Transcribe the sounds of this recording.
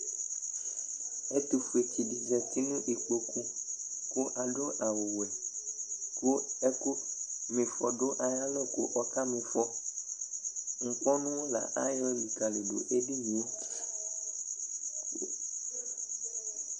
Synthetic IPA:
e˦t̪u˨fu˨e˨t͡ɕi˨ɖi˨zɛ˨t̪i˦nũ˦ʔi˨k͡po˨ku˦ko˦ʔa˨ɖo˦ʔa˨wo˨wɛ˨ | ko˦ko˦mĩ˨fɔ˨ɖo˦ʔa˨ja˦lɔ˦ko̰˦ʔɔ˦ka˦mĩ˨fɔ˦ | ŋ̩˨k͡pɔ˦nũ˦o˦la̰˨ʔa˦jɔ˦li˨ka˨le˨ɖo̰˨ʔe˦ɖi˦mĩ˨o˦

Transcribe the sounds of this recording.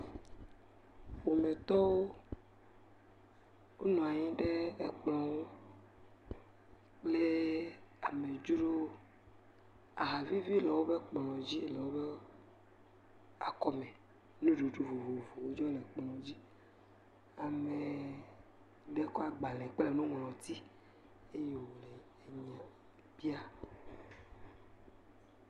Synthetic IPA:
wo˨mẽ˨t̪ɔ˦wo˦ | wo˦nɔ̃˨a˨ɲĩ˦ɖe˦e˦k͡plɔ̃˨wo˦ | k͡ple˦a˨me˨d͡ʒu˦ɖo˦ | a̰˨ɦa˨vi˦vi˦lɛ˨wo˦be˦k͡plɔ̃˨d͡ʑi˦lɛ˨wo˦be˦ | a̰˨kɔ˦me˨ | nũ˦ɖo˨ɖo˦vo˨vo˨vo˨wo˦d͡ʒɔ˦le˨k͡plɔ̃˨d͡ʑi˦ | a˨me˨ | ɖe˦kɔ˦a˨ɡ͡ba˨lẽ˨k͡pe˦le˨nũ˦ŋ˨lɔ̃˨t̪i˦ | e˦je˨wo˨le˨ | e˨ɲ˨ã˨ | bi˦a˦

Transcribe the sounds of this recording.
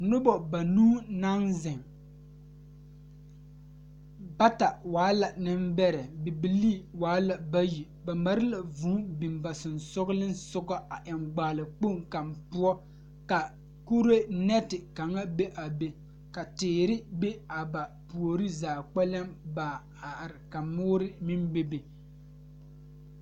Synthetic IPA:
nʊ˦bɔ˨ba˨nuː˦na˦ŋzɪ˨ŋ | ba˦ta˨waː˨˦la˨nɪ˦mbɛ˦ɾɛ˨bi˨bi˨liː˦˨waː˨˦la˨ba˦ji˨ | ba˨ma˨ɾɪ˦la˨vu˨˦bɪ˨mba˨sʊ˨nsɔ˦ɣlɪ˦nsʊ˦ɡɔ˦a˨ʔɪ˨mɡ͡baː˨lɪ˨k͡po˦˨ŋka˨mpʊ˦ɔ˦ | ka˨ | ku˦ɾe˦nɛ˦tɪ˨ka˨ŋa˦be˦ʔa˨be˨ | ka˨tɪː˨ɾɪ˦be˦a˨ba˨ | pu˨o˨ɾɨ˦zaː˨k͡pɛ˦lɛ˦mbaː˨ | a˨ʔɾɪ˨ka˨mʊː˦ɾɪ˦mɪ˦mbe˦be˨

